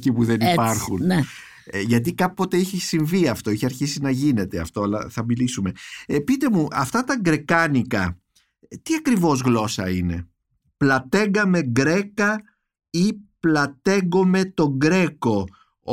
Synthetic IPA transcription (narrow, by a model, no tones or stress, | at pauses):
cipuðe̞nipɐɾxunn | ʝɐt̪̬ikɐpo̞t̪e̞içisiɱviɐft̪o̞içeɐɾçisinɐʝine̞t̪eɐ̰ft̪o̞ɐlɐ̰θɐmilisume̞pit̪e̞muʔɐft̪ɐt̪ɐɡɾe̞kɐnikɐ | t̪iɐkɾivo̞zɣlo̞sɐ̰ine̞̰ | plɐt̪e̞ŋɡɐme̞ɡɾe̞kɐ | iplɐt̪e̞ɡo̞me̞t̪o̞ɡɾe̞ko̞